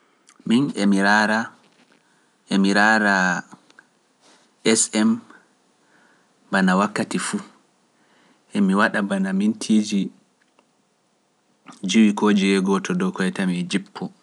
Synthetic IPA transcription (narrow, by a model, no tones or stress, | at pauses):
minɛmiɾaɾa | ʔɛmiɾaɾa | ɛsɛm | banawakːatifu | ʔɛmiwaɗabanamintʰiːd͡ʒi | d͡ʒiwikoːd͡ʒiɛɡɔtʰɔdɔkɔɛtamid͡ʒipʰːɔ